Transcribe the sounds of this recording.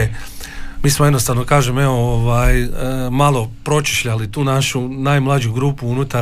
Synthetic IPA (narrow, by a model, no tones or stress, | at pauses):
miːsmoe̞d̪nost̪aʋno̞kaːʒemeooʋajmalo̞pɾo̞t͡ʃi̥ʃʎalit̪uːnaʃunajmlˠad͡ʑuɡɾuːpuunut̪a